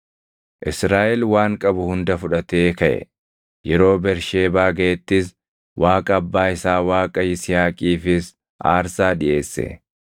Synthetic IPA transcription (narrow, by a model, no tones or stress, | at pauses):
ʔɪsɾaːʔɛlwaːŋkʼɐbʊhʊnd̪ɐfʊᶑɐt̪eːkɐʔɛ̰ | jɛɾo̞ːbɛɾʃe̞ːbaːɡɐʔɛt̪ːɪs | wʔaːkʼɐɐbːaːɪsaːwaːkʼɐjɪsɪjaːkʼiːfɪs | a̰ːɾsaːdɪʔe̞ːsːɛ̰